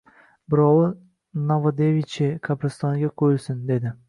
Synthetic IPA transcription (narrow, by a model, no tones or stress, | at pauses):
bɪɾɒwɪ | novad̪evit͡ʃʰɪkʰapɾɪst̪ɒŋɡʲaqʰojɪlˠsɪnd̪e̞d̪ɪ